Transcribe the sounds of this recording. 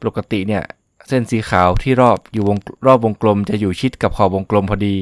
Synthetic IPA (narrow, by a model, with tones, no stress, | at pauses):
po˨˩ka˧t̪ḭ˨˩ʔni˥˩ɐ | se˥˩nsiː˩˦xʰaː˩˦wt̪ʰiː˥˩ɾɔː˥˩p̚juː˨˩wo˧ŋɾɔː˥˩p̚wo˧ŋklo˧mt͡ɕa˨˩juː˨˩t͡ɕʰi˦˥t̪̚ka˨˩p̚kʰɔː˨˩wo˧ŋklo˧mpʰɔː˧diː˧